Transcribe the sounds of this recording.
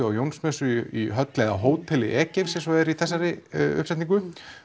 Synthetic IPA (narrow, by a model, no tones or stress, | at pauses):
ʏawjownsmɛsʏiɦœt̪leːðaɦoːwt̪ʰɛlɪʔɛːcɪv̥sɛmsɔɛɾiθɛsːaɾɪʏ̰hpsɛjt̪niŋkʏ